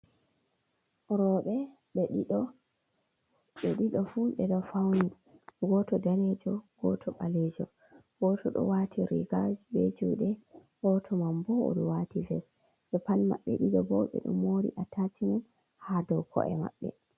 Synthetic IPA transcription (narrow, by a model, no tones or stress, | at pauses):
ɾɔɓɛ | ɓɛɗiɗɔ | ɓɛɗiɗɔfuɓɛɗɔfawni | ɡɔtɔdaned͡ʒɔɡ̥ɔ̰tʰɔɓalɛd͡ʒɔ̰ | ɡ̥ɔtʰɔɗɔ̰watʰiɾḭɡad͡ʒbed͡ʒuɗɛ | wɔtʰɔmambɔɔ̰ɗɔwativɛs | ɓɛpanma̰ɓːɛ̰ɗiɗɔbɔɓɛ̰ɗṵmːoɾḭʔatʰatʰimun | hadɔwkʰɔ̰ʔɛ̰ma̰ɓːɛ̰